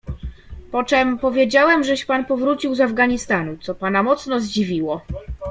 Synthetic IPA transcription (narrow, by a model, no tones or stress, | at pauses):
pɔt͡ʂɛmpɔvʲjed͡ʑawɛmʐɛɕpanpɔvɾut͡ɕiwzavɡaɲist̪anut̪sɔpanamɔt̪snɔzd͡ʑivʲiwɔ